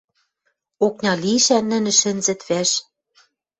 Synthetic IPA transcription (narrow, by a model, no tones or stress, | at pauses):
ok̚nʲɑliʃænːɘ̆nɘ̆ʃɘ̆nzɘ̆t̪βæʃ